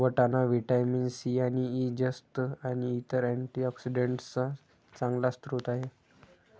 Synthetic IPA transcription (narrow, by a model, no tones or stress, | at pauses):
ʋəʈanaʋiʈajminsianiid͡ʑəst̪aniːt̪əɾæɳʈiɔksiɖeɳʈt͡sa | t͡sãŋɡlast̪ɾut̪aɦe